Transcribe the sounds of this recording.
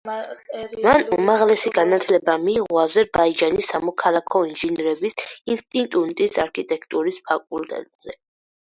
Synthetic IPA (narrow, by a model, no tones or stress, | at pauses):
manumaʁlɛsiɡanat̪ʰlɛbamiːʁɔazɛɾbaid͡ʒanisːamɔkʰalˠakʰɔinʒinɛɾɛbisinst̪ʼint̪ʼunt̪ʼisaɾkʰit̪ʼɛkʰt̪ʼuɾispʰakʼult̪ʼɛ̰t̪ʼz̥ɛ